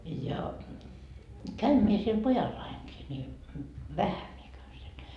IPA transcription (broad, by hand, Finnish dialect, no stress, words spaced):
jɑ kæym mie siel pojɑlːɑiŋkiː ni ʋæhæ mie kæyn siel